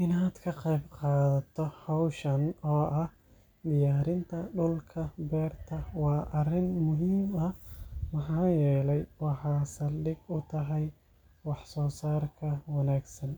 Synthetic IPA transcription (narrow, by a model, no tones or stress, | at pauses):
ʔɪnaːd̪kʰɐqɛjbqɑːðɐt̪ʰɔhɔwʃɐnɔːʔɐh | d̪ɪjaːɾɪnt̪ʰɐɖʊlkʰɐbɛːrt̪ʰɐwɑːʔɐrɪnmʊɦiːmɐmɐħɑːjɛːlɛjwɑħɑːsɐlɖɪɡʊt̪ʰɐɦɛj | wɑħsɔːsaːrkʰɐwɑnaːɡsɐn